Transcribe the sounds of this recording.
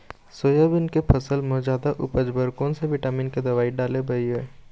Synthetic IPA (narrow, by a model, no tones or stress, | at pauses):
soːjabɪnkepʰɐsəlmɔd͡ʒaːd̪aʔʊ̰pəd͡ʒbəɾkõseʋɪʈaːmĩːnked̪ɐʋaːiɖaːlebɐieː